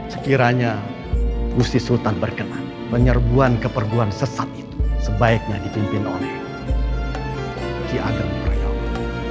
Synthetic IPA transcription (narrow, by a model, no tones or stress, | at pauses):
sə̥kiɾaɲa | bust̪isult̪anbərkənan | pəɲərbuankəpərɡuansəsat̪̚it̪u̥səbaɪk̚ɲadipimpino̰lɛh | t͡ʃiʔa̰dənpərja̰